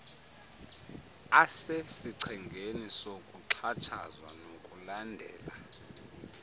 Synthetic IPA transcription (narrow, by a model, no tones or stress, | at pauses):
asesiǀʰɛŋɡʱenisokʼuǀʰat͡ʃʰa̰zwa̰nokʼulandʱɛ̰ːla